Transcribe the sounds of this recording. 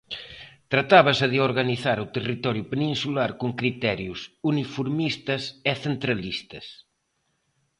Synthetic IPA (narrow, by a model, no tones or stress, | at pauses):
t̪ɾat̪aβɐsɐðeoɾɣaniθaɾut̪erit̪ɔɾjʊpenĩnsulaɾkuŋkɾit̪ɛɾjusunifuɾmist̪ɐseθent̪ɾɐlist̪ɐs